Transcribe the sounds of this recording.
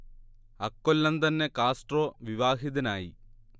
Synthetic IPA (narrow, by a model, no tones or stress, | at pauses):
ɐkːolːɐnt̪ɐnːe̞kaːsʈroːʋiʋaːɦiðɐnaːji